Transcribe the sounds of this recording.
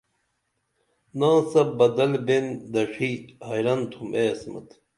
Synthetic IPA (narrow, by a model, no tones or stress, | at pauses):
nãːsɐbɐd̪ɐlbend̪ɐʂihɐjɾɐnt̪ʰumʔeɐsmɐ̰t̪